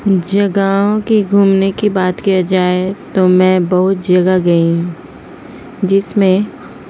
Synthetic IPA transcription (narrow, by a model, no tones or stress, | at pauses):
d͡ʒɐɡaɦõkiɡʱuːmnekibaːt̪kijad͡ʒaːet̪omɛ̃ːbɐɦʊt̪̚d͡ʒɐɡaɡɐĩ | d͡ʒɪsmẽ